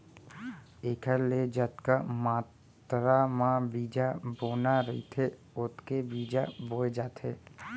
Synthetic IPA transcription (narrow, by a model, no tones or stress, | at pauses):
eːkʰəɾled͡ʒət̪kamaːt̪ɾamãbiːd͡ʒaboːnaɾəḭt̪ʰe | ʊt̪kebiːd͡ʒaboːed͡ʒaːt̪ɦḛː